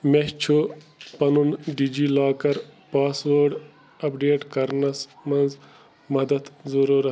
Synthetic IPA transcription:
meht͡ʃʰo | pɐnunɖid͡ʒiːlaːkɐɾpaːsʋoːɖ | ɐpɖeːʈkɐɾnɐsmɐnz | mɐd̪ɐt̪zɐɾuːɾɐ

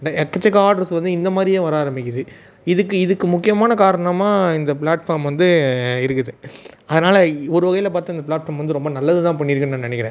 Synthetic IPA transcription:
naɛkːɐt͡ʃːɐkːaːɾɖɾɛsʋɐnd̪ɯɪnd̪ɐmaːd̪ɾɪjẽːʋɐɾaːɾɐmbɪkʲːɯðɯ | ɪðɯkːɯɪðɯkːɯmʊkːɪjɐmaːnɐkaːɾɐɳɐmaːɪnd̪ɐpɭaːʈfaːɾmʋɐnd̪ɯɪɾɯkːɯðɯ | ɐðɐnaːlɐɔɾɯʋɐɣɐɪjɪlɐpaːɾt̪ːɐɪnd̪ɐp̬ɭaːʈfaːɾmʋɐnd̪ɯɾɔmbɐnɐlːɐðɯt̪ãːpɐɳːiɾɯkːɐnːaːnɐnɪkːɪɾẽː

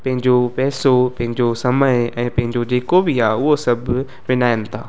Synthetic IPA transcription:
pɐ̃ɦɪ̃ɲd͡ʑopɛːsopɐ̃ɦɪ̃ɲd͡ʑosɐməɪɛ̃ːpɐ̃ɦɪ̃ɲd͡ʑod͡ʑeːkobʱiaːʊɦosɐbʱʊ | ʋɪnaːɪjənɪ̆t̪ʰaː

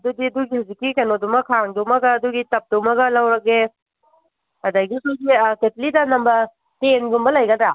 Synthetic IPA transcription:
ɐdudiɐduɡihazikːikenodumɐkʰaŋdumɐɡɐːduɡitɐp̚dumɐɡɐlɐwɾɐɡe | ɐdajɡisoɡiketlidɐnɐmbɐ | tenɡumbɐlɐjɡɐdɾa

